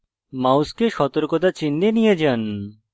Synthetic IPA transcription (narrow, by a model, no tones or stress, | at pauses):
mawskeʃɔt̪oɾkot̪̬at͡ɕinːenijed͡ʑan